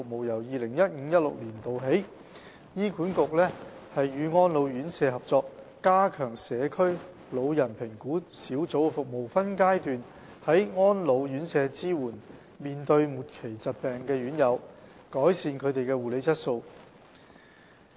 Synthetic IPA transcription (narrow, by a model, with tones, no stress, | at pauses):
ʊ˨k̚mo˨wjɐ˨˩wjiː˨lɪ˨˩ŋjɐ˥t̚ŋ̩ː˨˧˥jɐ˥t̚lʊ̰˨k̚liː˨˩nt̪o˨wɦe˨˥j | jiː˥kʰuː˨˥nkʊ˨k̚lɛː˥hɐ˨jːyː˨˧ŋɔː˥nlo˨˧wjyː˨˥nsɛː˨˧hɐ˨p̚t͡sɔː˧k̚ | kaː˥kʰœː˨˩ŋsɛː˨˧kʰɵ˥ɥ | lo˨˧wjɐ˨˩npʰɪ˨˩ŋkuː˨˥siː˨˥wt͡so˨˥wfʊ˨k̚mo˨˩wfɐ˥nkaː˥jt̪yː˨n | hɐ˨˥jŋɔː˥nlo˨˧wjyː˨˥nsɛː˨˧t͡siː˥wuː˨˩n | miː˨nt̪ɵ˧ɥmuː˨t̚kʰe˨˩jt͡sɐ˨t̚pɛː˨ŋkɛː˧jyː˨˥njɐ˨˧w | kɔː˨˥jsiː˨nkʰɵ˨˧ɥt̪e˨jkɛː˧wuː˨le˨˧jt͡sʰɐ˥t̚so˧w